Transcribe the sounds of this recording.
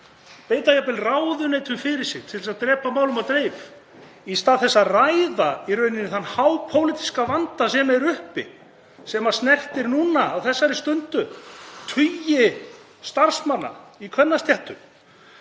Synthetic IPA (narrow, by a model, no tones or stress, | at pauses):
peːjt̪ajapɪlraːwðʏnejt̪ʏmfɪɾɪɾ̥sɪɣt̪ʰɪlsaðt̪ɾɛːpamaːwlʏmat̪ɾejf | ist̪aːðθɛsːarajðairœɥnɪnːɪθanːhawpʰowlɪt̪i̥skavant̪asɛmaɛɾʏhpɪ̰ | sɛmasnɛr̥t̪ɪɾnuːnaːwθɛsːaɾɪst̪ʏnt̪ʏt̪ʰʏjɪ | st̪ar̥smanːa̰ikʰvɛnːast̪jɛht̪ʏm